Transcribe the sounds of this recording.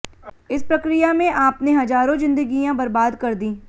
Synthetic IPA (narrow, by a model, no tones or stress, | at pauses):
ɪspɾɐkɾijamẽʔaːpneɦɐzaːɾõzɪ̃nd̪əɡijãbɐɾbaːd̪kɐɾd̪ĩː